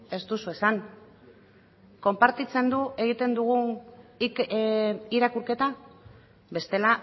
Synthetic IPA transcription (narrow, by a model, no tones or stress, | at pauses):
e̞st̪usue̞san | ko̞mpaɾt̪it͡se̞nd̪ue̞ɣ̞it̪e̞nd̪uɣun | iɾakuɾke̞t̪a | be̞st̪e̞la